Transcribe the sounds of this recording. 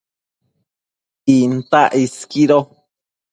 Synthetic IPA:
int̪aʔiskiɾo

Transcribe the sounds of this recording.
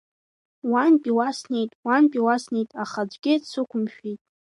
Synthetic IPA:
wanpʼiwasne̞jtʼwanpʼiwasnejtʼaχad͡ʒʷɡʲɪsɨkʷʰʊmʃᶣijtʼ

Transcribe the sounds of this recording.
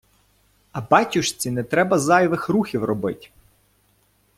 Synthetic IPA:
ɐbɑtʲʊʃt͡sʲinɛt̪ɾɛbɐzɑjʋɪxruxʲiwrɔbɪtʲ

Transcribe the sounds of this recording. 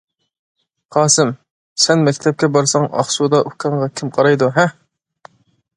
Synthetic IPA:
qʰɑːsɪm | sɛnmɛkʲt̪ʰɛp̚kʲɛbɑɾsɑŋɑ̰χsud̪ɑʔykʲʰɑŋʁɑkʲʰimqʰɑɾɑjd̪uɦɛ

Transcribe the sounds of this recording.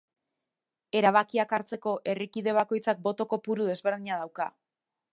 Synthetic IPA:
e̞ɾaβ̞akiakaɾt͡se̞ko̞ʔe̞rikið̞e̞β̞ako̞jt͡sak̚bo̞t̪o̞ko̞puɾuð̞e̞zβe̞ɾðiɲað̞awka

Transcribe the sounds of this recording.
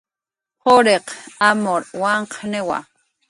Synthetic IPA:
hoɾeqamoɾwaɴqʰnewa̰

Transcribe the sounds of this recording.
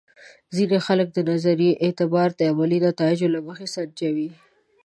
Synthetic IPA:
zinexalək̚d̪ənazaɾijeʔet̪ɪbɑɾt̪aamalid̪at̪ɑɪd͡ʒolaməxesand͡ʒawi

